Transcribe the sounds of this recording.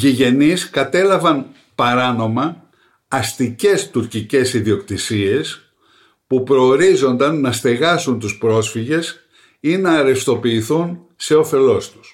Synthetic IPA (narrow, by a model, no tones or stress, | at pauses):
ʝiʝe̞niskɐt̪e̞lɐvɐn | pɐɾɐno̞mɐː | st̪ice̞st̪uɾcice̞siðio̞kt̪isie̞s | pupɾo̞ːɾizo̞nd̪ɐnːɐst̪e̞ɣɐsunt̪uspɾo̞sfiʝe̞s | inɐːɾe̞st̪o̞piːθun | se̞o̞fe̞lo̞st̪u̥s